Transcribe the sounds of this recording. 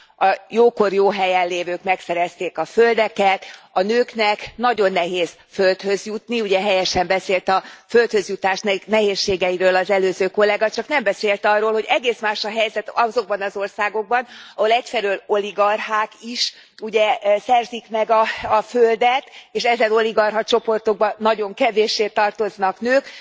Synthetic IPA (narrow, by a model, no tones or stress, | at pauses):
ɒjoːko̞rjoːɦɛjɛnleːvøːkmɛksɛɾɛst̪eːkɒføld̪ɛkɛt̪ɒnøːknɛknɒɟo̞nːɛɦeːz̥ | fø̞lt̪hø̞zjut̪niuɟɛɦɛjɛʃɛmbɛseːlt̪ɒfølt̪hø̞zjut̪aːʃnnɛɦeːʃːeːɡɛiɾøːlɒzɛløːzøːko̞lːɛɡɒt͡ʃɒknɛmbɛseːlt̪ɒroːlho̞ɟɛɡeːsmaːʃɒɦɛjzɛt̪ɒzo̞ɡ̚bɒnɒzo̞rsaːɡo̞ɡ̚bɒnɒɦo̞lɛcfɛɾølo̞liɡɒrɦaːkiʃ | uɟɛsɛrzikmɛɡɒːføld̪ɛt̪eːʃɛzɛno̞liɡɒrɦɒt͡ʃo̞po̞rt̪o̞ɡ̚bɒnːɒɟo̞ŋkɛveːʃːeːt̪ɒrt̪o̞znɒknøːk